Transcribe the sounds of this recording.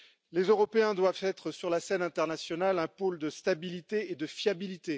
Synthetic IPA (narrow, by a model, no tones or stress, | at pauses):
lezøʁɔpeɛ̃d̪wavt̪ɛt̪χəsyʁlasɛnɛ̃t̪ɛʁnasjɔnalɛ̃pold̪əst̪abilit̪eːd̪əfjabilit̪e